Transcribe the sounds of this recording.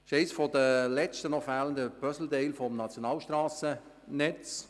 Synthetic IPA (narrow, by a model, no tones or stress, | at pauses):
ʃeɪsfɔd̪əlɛt͡ʃtənɔfæːləndəpœsl̩d̪eɪlfɔmnɑt͡sjonɑːlʃtraːsə | nɛt͡s